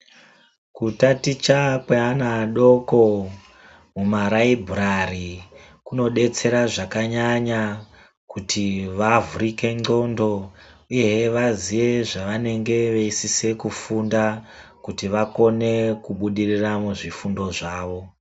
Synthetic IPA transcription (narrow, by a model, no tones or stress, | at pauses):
kutatit͡ʃakweanaɗo̞ko̞ | mumaɾaibʱurari | kuno̞ɗe̞t͡se̞ɾaʐakaɲaɲa | kutʰiʋavuɾike̞ŋ͡ǀo̞ndo̞uje̞ʋaziʋe̞ʐaʋane̞ŋɡe̞ʋeisise̞kufundakutiʋako̞ne̞kuɓuɗiriramuʐifundo̞ʐaːʋo̞